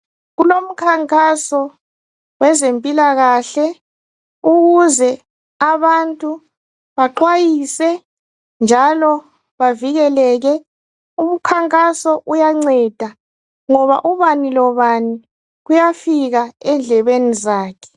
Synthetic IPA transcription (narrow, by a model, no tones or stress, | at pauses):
ɣulom̩kʰaŋkʼasɔ | wɛzempʼilaɣaɬɛ | uɣuzɛ | aβantʼu | βaǃwajisɛ | nd͡ʒʱalɔ | βaviɣɛlɛɣɛ | um̩kʰaŋkʼasɔʔujaŋ͡ǀɛd̥ʱa | ŋɔβa̰ʔuβanilɔβani | ɣujafiɣaɛnd͡ɮʱɛβenizaːkʰɛ̥